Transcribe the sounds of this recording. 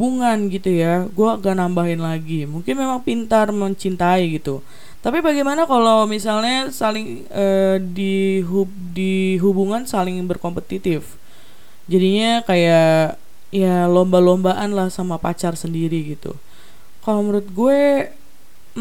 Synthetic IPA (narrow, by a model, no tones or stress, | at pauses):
uŋanɡit̪ujaɡuaɡaʔnambaɦɪnlaɡimuŋkɪnmemaŋpint̪arməɲt͡ʃint̪aiɡit̪u | t̪apibaɡemanakalawmisalɲasalɪŋ | ədiɦu | diɦubuŋansalɪŋbərkompət̪it̪ɪf | d͡ʒadiɲakaja | jalombalombaʔanlahsamapat͡ʃarsəndiɾiɡit̪ṵ | kaloməɾʊt̪̚ɡue